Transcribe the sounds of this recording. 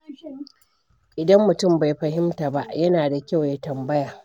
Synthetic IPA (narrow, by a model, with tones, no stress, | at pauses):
ʔɪ˨dɐ˦mːʊ˨tʊ˦˨mba˨jɸɐ˨ɦɪ˦mtaː˨ba̰˦ʔjɐ˦naː˨da˨kʲa˦˨wja˦tɐ˨mbɐ˦jaː˨